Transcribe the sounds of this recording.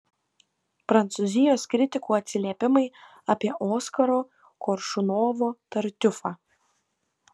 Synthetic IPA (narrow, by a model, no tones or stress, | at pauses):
pɾɐnt̪sʊzʲɪjoːskɾʲɪt̪ʲɪkuːɐt̪ʲsʲɪlʲiɛpʲɪmɐɪ | aːpʲiɛʔoːskɐɾoː | kɔɾʃʊnoːʋoːt̪ɐɾʲt̪ʲʊfɑː